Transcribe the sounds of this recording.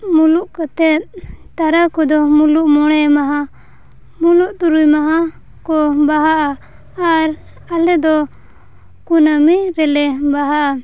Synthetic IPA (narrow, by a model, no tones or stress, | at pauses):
muluʔkɔt̪ɛt̪̚t̪aɾakɔd̪ɔmuluʔmɔɽ̃ɛmaɦa | muluʔt̪uɾujmaɦa | kɔbaɦaʔa | aɾ | alɛd̪ɔ | kunamɛɾɛlɛbaɦaʔa